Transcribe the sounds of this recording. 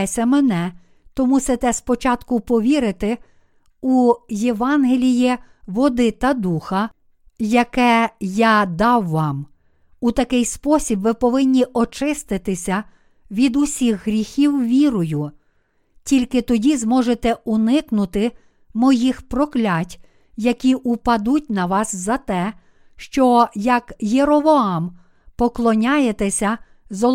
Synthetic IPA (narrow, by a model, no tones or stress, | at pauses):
sʲɐmenɛ | t̪ɔmuset̪ɛspɔt͡ʃɑt̪kʊpɔʋʲiɾɪt̪ɪ | ujeʋɑnɦelʲiji | ʋɔd̪ɪt̪ɐd̪uxɐ | jɐkɛjɑd̪ɑwːɑm | ut̪ɐkɪjspɔsʲibʋɪpɔʋɪnʲːiʔɔt͡ʃɪst̪ɪt̪ɪsʲɐ | ʋʲid̪ʊsʲixɦɾʲixʲiwʋʲiɾʊjʊ | tʲilʲkɪt̪ɔdʲizmɔʒet̪ɛunɪknʊt̪ɪ | mɔjixpɾɔklʲatʲ | jɐkʲiʔupɐd̪utʲnɐʋɑszɐt̪ɛ | ʃt͡ʃɔjɐkjeɾɔʋɔɑm | pɔklˠɔnʲajet̪ɛsʲɐ | zɔ